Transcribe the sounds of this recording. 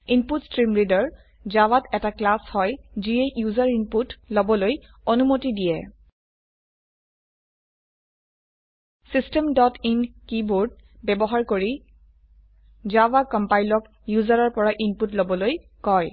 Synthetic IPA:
inputstɹimɹidɔɹ | zawatɛtaklashɔjziejuzaɹinputlobɔloj | onumotidijɛ | sistɛmdɔtinkiboɹd̚bɛbɔɦaɹkoɹi | zawakɔmpajlɔk | juzaɹɔɹpɔɹaʔinputlobɔloj | kɔj

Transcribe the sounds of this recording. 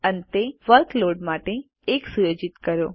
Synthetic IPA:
ənet̪eʋəɾkloɖmaʈe | eksujod͡ʒit̪kəɾjo

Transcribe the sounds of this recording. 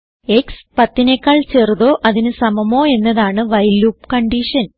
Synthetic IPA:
e̞kspɐt̪ːinekːaːɭt͡ɕe̞ːruðo̞ːʔɐðinɨsɐmɐmo̞ːe̞nːɐðaːɳɨʋɐjluːpkɐɳɖiʂɐn

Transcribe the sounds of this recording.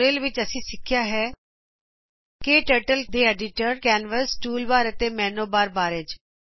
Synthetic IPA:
ɾeːlʋɪt͡ʃəsĩːsɪkʰːɪjaːɦɛː | keʈeːʈəld̪eːɛːɖɪʈəɾkɛːnʋəsʈuːlbaːɾət̪eːmɛ̃ːnoːbaːɾbaːɾed͡ʒ

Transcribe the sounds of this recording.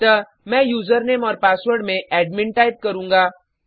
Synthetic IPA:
t̪ə | mɛ̃ːjuːzəɾneːmɔːɾpaːswəɾɖmẽʔɛːɖmɪ̃ɳʈaːɪp̚kɐɾũːŋɡaː

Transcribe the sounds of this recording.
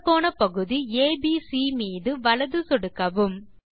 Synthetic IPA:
pːoːnɐpɐɣɯðieːbiːsiːmiːðɯʋɐɭɐðɯsɔɽɯkːɐʋɯm

